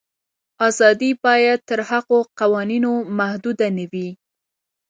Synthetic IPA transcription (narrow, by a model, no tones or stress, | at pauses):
ɑzɑd̪ibɑjad̪̚t̪əɾhaɣoqawɑninomahd̪ud̪anawi